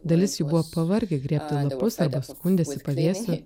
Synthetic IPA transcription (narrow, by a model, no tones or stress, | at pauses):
d̪ɐlʲɪsjubʊʋɔːpɐʋɐɾʲɡʲeɡɾʲiːpʲt̪ʲɪlˠɐpʊsɐɾbɐskʊnʲd̪ʲeːsɪpɐʋʲeːsʲʊ